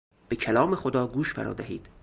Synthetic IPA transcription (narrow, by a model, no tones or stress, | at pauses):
b̥e̞cʰælɒːmexod̪ɒːɡuːʃfæ̰ɾʔɒ̰ːd̪æɦḭːd̪̥